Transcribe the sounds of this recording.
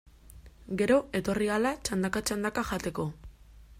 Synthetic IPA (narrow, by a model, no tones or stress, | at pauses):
ɡe̞ɾo̞e̞t̪o̞rialat͡ʃand̪akat͡ʃand̪akaʝat̪e̞ko̞